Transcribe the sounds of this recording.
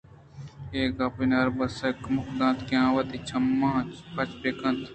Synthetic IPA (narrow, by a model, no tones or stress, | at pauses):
eːkɐpinɐɾbɐsɐkmʊkd̪ãːnt̪kjãːʋɐt̪it͡ʃʰɐmːãːt͡ʃpɐt͡ʃpeːkɐ̃nt̪ʰ